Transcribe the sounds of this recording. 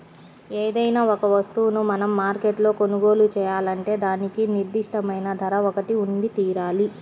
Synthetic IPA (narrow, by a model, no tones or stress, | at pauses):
eːd̪ɐjnaːɔkɐʋɐst̪uʋnumɐnɐmːaːɾkeʈlo̞ːko̞nuɡo̞ːlut͡ʃɛːjaːlɐɳʈe̞ːd̪aːnikiniɾd̪iʂʈɐmɐjnɐd̪ʱɐɾɐɔkɐʈiunɖ̪it̪iːɾaːli